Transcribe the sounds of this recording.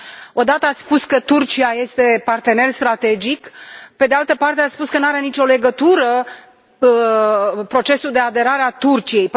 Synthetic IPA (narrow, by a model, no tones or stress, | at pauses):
o̞d̪at̪əat̪sʲspuskət̪urt͡ʃiaje̞st̪e̞part̪e̞ne̞rst̪ɾat̪e̞d͡ʒikpe̞d̪ealt̪əpart̪e̞at̪sʲpuskənaɾe̞nit͡ʃʲo̞le̞ɡət̪uɾə | pɾo̞t͡ʃe̞suld̪e̞ad̪e̞ɾaɾeat̪urt͡ʃije̞jp